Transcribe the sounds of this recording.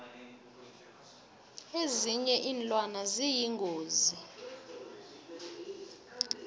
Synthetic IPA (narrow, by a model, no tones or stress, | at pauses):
eziɲɛʔiːnlʼwanazijiŋʱoːzi